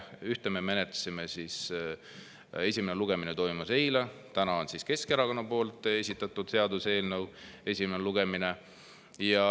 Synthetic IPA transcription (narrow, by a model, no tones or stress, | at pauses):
yht̪ememe̞net̪lɑ̥sime̞sis | e̞sʲimeneluɡ̥e̞minet̪o̞jmɑse̞jlɑt̪ænɑo̞nsiske̞skeɾɑko̞nːɑpo̞ːlt̪ˑe̞sʲit̪ːˑɑt̪ːˑud̪̥se̞ɑd̪use̞ːlnɤwe̞sʲimeneluɡ̥e̞mine̞ | jɑ